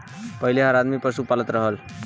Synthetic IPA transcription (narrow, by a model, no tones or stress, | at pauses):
pəɦileɦəɾad̪mipəsupalət̪ɾəɦəl